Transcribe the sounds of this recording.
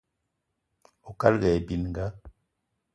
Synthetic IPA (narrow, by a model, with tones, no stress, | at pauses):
o˨ka˦lɣɛ˨bi˨n˨ŋ˨ɡa˦